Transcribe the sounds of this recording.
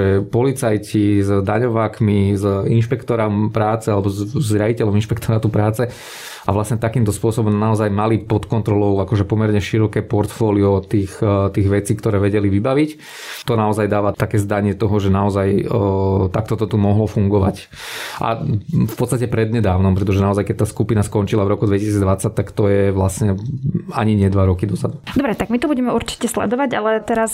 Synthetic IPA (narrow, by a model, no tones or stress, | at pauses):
ɛpɔlit͡sajcizd̪aɲɔʋaːkmizinʃpɛkt̪ɔɾampɾaːt͡sɛalɛbɔzzɾɪajicɛlɔminʃpɛkt̪ɔɾat̪upɾaːt͡sɛ | a̰ʋlasɲɛt̪akiːmt̪ɔspʊɔsɔbɔmnaɔzajmalipɔt̪kɔnt̪ɾɔlɔʊakɔʒɛpɔmɛɾɲɛʃiɾɔkɛːpɔɾt̪fɔːliɔt̪iːxt̪iːɣʋɛt͡siːkt̪ɔɾɛːʋɛɟɛliʋibaʋic | t̪ɔnaɔzajd̪aːʋat̪akɛːzd̪aɲɪɛt̪ɔɦɔʒɛnaɔzaj | t̪akt̪ɔt̪ɔt̪umɔɦlɔfuŋɡɔʋa̰c | ʔa̰fpɔt̪st̪acɛpɾɛd̪ɲɛd̪aːʊnɔmpɾɛt̪ɔʒɛnaɔzajkɛc̚t̪aːskupinaskɔnt͡ʃilavɾɔkud̪ʋɛcisiːd͡zd̪ʋat͡sːac̚t̪akt̪ɔjɛʋlasɲɛaɲiɲɪɛd̪ʋaɾɔkid̪ɔzad̪ud̪ɔbɾɛt̪aɡ̚mit̪ɔbuɟɛmɛuɾt͡ʃi̥cɛslɛ̰d̪ɔʋaɟalɛt̪ɛɾas